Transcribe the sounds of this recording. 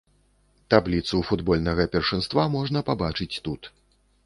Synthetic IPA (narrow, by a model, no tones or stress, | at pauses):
t̪ablʲit̪sufud̪bɔlʲnɐɣɐpʲɛrʂɨnst̪vamɔʐnɐpabat͡ʂɨt͡sʲt̪ut̪